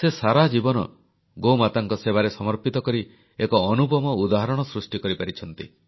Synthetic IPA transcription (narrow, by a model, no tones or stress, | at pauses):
sesaɾad͡ʒibɔnɔ̰ | ɡomat̪aŋkɔseβaɾesɔmɔɾpit̪ɔkɔɾi | ekɔːnubɔmɔud̪aɦaɾɔɽ̃ɔsɾusʈikɔɾipaɾit͡ʃʰɔn̪t̪ḭ